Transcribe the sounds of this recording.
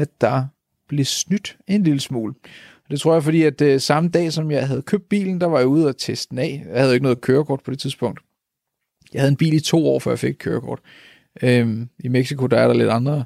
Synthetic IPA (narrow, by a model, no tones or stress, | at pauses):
æd̥ɑ̈ | b̥le̝snyd̥e̝nliləsmṵːləɒ̽d̥e̝t͡sʰʁo̝ɐjɑ̈ɪfɒ̽d̥ḭːæd̥sɑ̈məd̥ɛ̰ːsɒ̽mjɑ̈ɪɦæð̞̩ˠkʰøb̥̚d̥̚b̥ḭːln̩d̥ɑ̈ʋɑ̈jouð̞̩ˠæt͡sʰesd̥n̩ɛ̰ːjɑɪhæð̩ˠoe̝ɡ̥nɔ̽ð̩ˠkʰøːɐkʰɒ̰ːd̥pʰɒ̽d̥e̝t͡sʰiðˠsb̥ɔ̽ŋ̰d̥ | jɑɪhæð̞ˠenb̥ḭːlit͡sʰo̝̰ːɒ̰ːfɶ̰ɐjɑ̈fe̝ɡ̥̚kʰø̰ːɐkʰɒ̰ːd̥ | øimeɡ̥sikʰo̝d̥ɑ̈æɐɾɑ̈le̝d̥ɑ̈nd̥ʁɐ